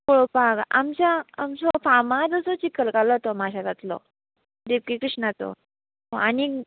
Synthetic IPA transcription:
koɭopaka̰mt͡ɕjaːmsɔfamad͡zəsɔt͡ɕikəlkalɔɦt̪ɔmaɕad͡zat̪lɔ̰ | d̪epkikɾiʂnat͡sɔ̰ | oani

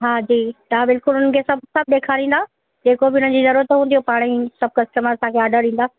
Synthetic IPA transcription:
ɦaːd͡ʑiːt̪ɐabɪlkʊlʊnən̆kʰeːsɐb̚sɐb̚d̪eːkʰaːɾĩːn̆d̪a | d͡ʑeːkobɪʊn̤ən̆d͡ʑiːzɐɾuɾət̪ɦũːnd̪iopaːɽ̃isɐb̚ʱkɐsʈəməsãːkʰeaːɖəɾĩːn̆d̪aː

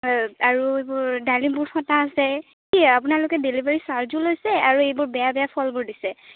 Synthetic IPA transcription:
aɹuejbʊɹdalinbʊɹxɔtaːsɛ | kiɛapʊnalokɛdelibaɹisaɹzulojsɛaɹuejbʊɹbɛjabɛjapʰɔlbʊɹdisɛ

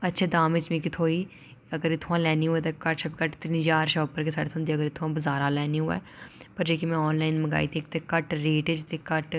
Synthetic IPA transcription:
ətːʃʰɛːd̪aːmɪt͡ʃmĩːkɪt̪ʰoːiː | əɡəɾet̪ʰʊãːlɛːniːɦʊɛːt̪eːkəʈʃəbkəʈt̪əɾĩd͡ʒaːɾʃəːpəɾkeːsaːɽet̪ʰʊ̃nd̪iːəɡəɾeːt̪ʰʊʋãːbəzaːɾaːlɛːniːɦʊːɛ̰ː | pəɾd͡ʒeːkimɛ̃ːɔːnlaːinməɡa̰ːiːt̪iːkt̪eːkəʈɾeːʈed͡ʒt̪eːkəʈ

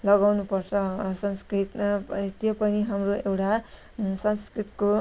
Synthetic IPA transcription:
lʌɡawnupʌrt͡sʰʌsʌnskrit̪t̪jopʌniɦamroewʈa | sʌnskrit̪ko

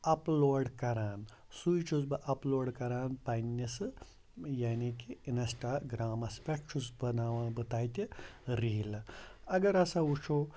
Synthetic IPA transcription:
ɐploːɖkɐɾaːn | sujt͡ʃʰusbɨʔɐploːɖkɐɾaːnpɐnːɐsɨ | jaːnikiinɐsʈaːɡɾaːmɐspekt͡ʃʰusbɐnaːʋãːbɨt̪aːjt̪ʲiɾiːlɐɐɡɐɾɐsaut͡ʃʰoː

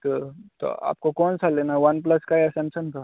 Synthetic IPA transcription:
t̪ot̪o̰a̰ːp̚kokɔːnsaleːnaɛʋɐnplɐskaɛɐsɛ̃mʃənka

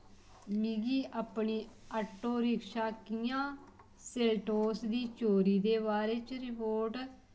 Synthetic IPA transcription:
miɡiːʔaːpɳiːəʈːoːɾɪkʃaːkɪjãː | seːlʈoːsd̪iːt͡ʃoːɾiːd̪eːbaːɾeːt͡ʃɾɪpoːɾʈ

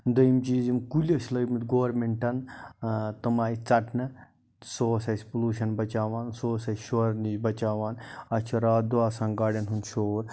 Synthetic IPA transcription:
d̪ɐjimt͡ʃiːzimkulʲɐt͡ʃʰlɐjmit̪ɡoːɾmeɳʈɐn | t̪ɐmaːit͡sɐʈʰnɨ | soːsɐjspuluːʃɐnbɐt͡ʃaːʋaːnsoːsɐsʃoɾnid͡ʒbɐt͡ʃaːʋaːnɐt͡ʃʰɐɾaːd̪uaːsãnɡaːɖʲɐnɦunʃoːɾ

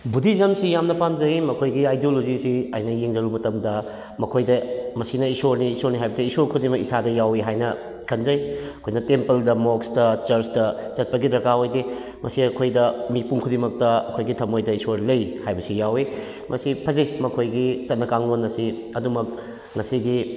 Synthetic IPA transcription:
budizɐmsijamnɐpamzɐmɐkʰojɡiajdiolozisiɐ̰jnɐjeŋzɐɾumɐtɐmdɐ | mɐkʰojdɐmɐsinɐisoɾniːsoɾniɦajbɐsiisoɾkʰudimɐkisadɐjawiɦajnɐ | kʰɐnzɐjɐkʰojnɐtempeldɐmoksdɐt͡ʃɐɾsdɐ | t͡ʃɐt̚pɐɡidɾɐkaojdi | mɐsiɐkʰojdɐmipuŋkʰudimɐk̚tɐɐkʰojɡitʰɐmojdɐisoɾlɐjhajbɐsijawi | mʔɐsipʰɐzijmɐkʰojɡit͡ʃɐt̚nɐkaŋlonːɐsi | ɐdumɐk̚ | ŋɐsiɡi

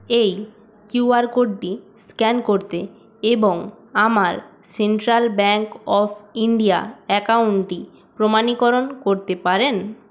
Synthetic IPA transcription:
ej | kjuaɾkoɖʈiskɛnkoɾt̪e | eboŋ | amaɾseɳʈɾalbɛŋkɔpʰiɳɖijaɛkawuɳʈi | pɾomanikoɾonkoɾt̪epaɾen

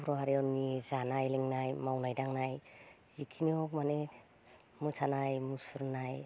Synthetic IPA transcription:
pʰɾɔɦaɾiɔnizanajlɛŋnajmawnajdaŋnajz̥ikʰiniɔkmane | musʰanajmusuɾnaj

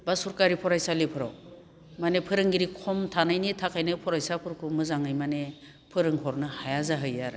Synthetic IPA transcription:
basuɾkaɾipʰɔɾajsalipʰɯɾaw | manepʰɯɾɯŋɡiɾikʰɔmtʰanajnitʰakʰajnɯpʰɔɾajsapʰɯɾkʰumɯzaŋɯjmane | pʰɯɾɯŋhɔɾnɯhajazaɦɯjaɾɯ

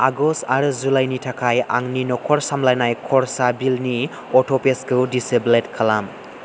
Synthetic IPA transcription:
aɡɔstaɾɯzulajnitʰakʰaja̰ŋninɔkʰɔɾsamlajnajkʰɔɾsabilni | ɔtʰɔpeskɯwdisebletkʰalam

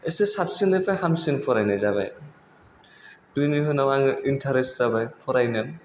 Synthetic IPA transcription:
esesapsindapʰajhamsinpʰɔɾajnajzaba̰j | dujniɦɯnawaŋintʰaɾeszabajpʰɔɾajnam

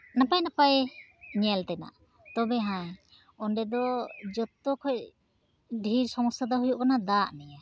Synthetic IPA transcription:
napajnapajɲɛlt̪ɛna̰ʔ | t̪ɔbɛɦãj | ɔnɖɛd̪ɔd͡ʒɔt̪ːɔkʰɔj | ɖʱiɾsɔmɔsad̪ɔɦujuʔkanad̪aʔnɛja

